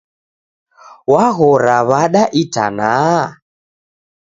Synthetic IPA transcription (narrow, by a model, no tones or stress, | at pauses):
waɣɔɾaβaɗaʔita̰na